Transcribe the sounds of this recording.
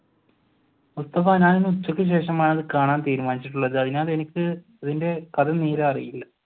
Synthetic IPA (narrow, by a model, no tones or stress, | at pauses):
ust̪ɐfaːnaːninːɨut͡ɕːɐkʲːɨɕ̬e̞ːʂɐmaːɳɐðɨkaːɳaːnt̪iːɾumaːnit͡ɕːiʈ̬ːuɭːɐðɨɐðinaːðe̞nikʲːɨ | ɐðinde̞kɐd̪ɐniːɾɐɐrḭjilːɐ